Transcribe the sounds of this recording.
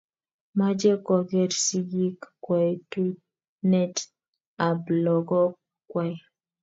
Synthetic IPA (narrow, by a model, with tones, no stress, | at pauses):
ma˦d͡ʒɛ˦kɔ˨ɡɛ˦ɾsi˦ɡi˦kkwɛ˨tu˦ | nɛ˦t | a˨blɔ˨ɡɔ˦ | kwɛ˨